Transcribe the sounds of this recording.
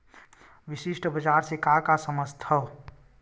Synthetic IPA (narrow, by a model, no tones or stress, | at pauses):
ʋisiʃʈəbəd͡ʒaɾsekakasəməst̪ʰə